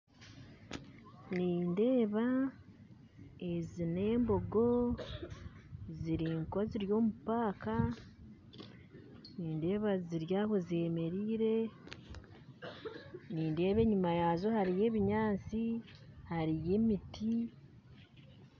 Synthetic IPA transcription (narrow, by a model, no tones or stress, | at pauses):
niːnde̞ːβa | ezine̞ːmbo̞ɡo̞ | ziɾiŋkoziɾjo̞ːmupaːka | niːnde̞ːβaziɾjaːhoze̞ːme̞ɾiːɾe̞ | niːnde̞ːβe̞ːɲumajaːzo̞haɾije̞ːβiɲaːt͡sihaɾije̞ːmitʰi